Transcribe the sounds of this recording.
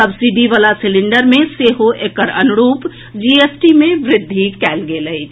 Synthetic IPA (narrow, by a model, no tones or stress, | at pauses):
sɐbsiɖiʋaːlasɪlɪ̃ɳɖəɾmẽseːɦoʔeːkəɾɐnʊɾuːp | d͡ʒiːeːsʈimẽʋɾɪd̪ʱːikɛːlɡeləi